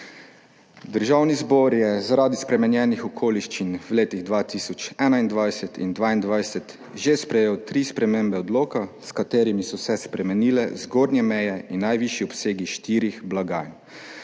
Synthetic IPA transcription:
d̪əɾʒawnizbɔɾjɛzaɾaːd̪ispɾɛmɛnjɛːnixɔkʰoːliʃt͡ʃinwleːt̪iɣd̪ʋaːt̪iːsɔt͡ʃɛːnaind̪ʋajsɛt̪ḭnd̪ʋaːind̪ʋajsɛt̪ | ʒespɾɛjeːwt̪ɾiːspɾɛmembɛɔd̪loːkaskat̪eːɾimisɔwsɛspɾɛmɛniːlɛzɡoːdnʲjɛmɛjɛinːajʋiʃjiɔpseːɡiʃt̪iːɾixblaɡa̰ːjn

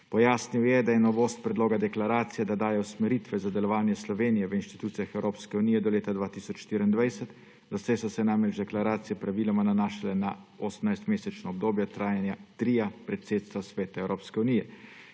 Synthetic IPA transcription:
pɔjaːsniwjɛd̪ajɛnɔʋoːst̪̚pɾɛd̪loːɡad̪ɛklaɾaːt̪sijɛd̪ad̪aːjɛwsmɛɾiːt̪ʋɛzad̪ɛlɔʋaːnjɛslɔʋeːnijɛʋəinʃt̪i̥t̪uːt̪sijaxɛwɾoːpskɛunijɛd̪ɔleːt̪ad̪ʋaːt̪iːsɔt͡ʃʃt̪iːɾind̪ʋajsɛt̪ | d̪ɔsɛsɔsɛnamɾɛd͡ʒd̪ɛklaɾaːt̪sijɛpɾaʋiːlamananaːʃalɛna | ɔsəmnajst̪meːsɛt͡ʃnɔɔb̚d̪oːbjɛt̪ɾaːjanjat̪ɾiːjapɾɛt̪seːt̪st̪ʋasʋeːt̪aɛwɾoːpskɛuniːjɛ

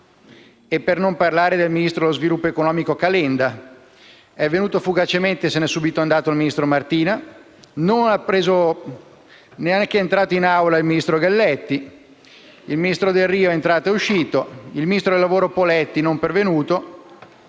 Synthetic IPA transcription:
epːernomparlaːɾed̪elminist̪ɾod̪elozvilupːoekonɔːmikokalɛnd̪a | ɛvːenuːt̪ofuɡat͡ʃement̪esenɛsːuːbit̪oand̪aːt̪oilminist̪ɾomart̪iːna | nonapːɾeːzo | neaŋk̟eɛent̪ɾaːt̪oinawlailminist̪ɾoɡalːɛt̪ːi | ilminist̪ɾod̪elriːoɛent̪ɾaːt̪oeuʃːiːt̪oilminist̪ɾod̪elːavoːɾopolɛt̪ːinompervenuːt̪o

